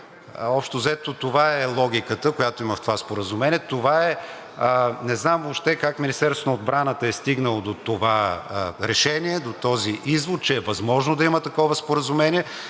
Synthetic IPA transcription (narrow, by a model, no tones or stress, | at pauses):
ɔpʃt̪ozɛt̪ot̪ovaɛlˠɔɡ̟ʲikət̪əkojat̪oiməft̪ovaspoɾəzumɛnʲiɛt̪ovaɛ | nɛznamvopʃt̪ɛkakminist̪ɛɾst̪onəoːd̪bɾanət̪əɛst̪iɡnəlˠod̪ot̪ovaɾɛʃɛniɛd̪ot̪ɔziʔizvot̪̚t͡ʃɛːvɐzmɔʒnʊd̪ɐimət̪ɐkɔvəspoɾəzumɛnʲiɛ